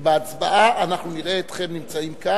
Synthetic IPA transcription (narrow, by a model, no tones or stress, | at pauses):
beat͡sbaʔaʔanaχnuniʁeːt̪χe̞mnimt͡saimka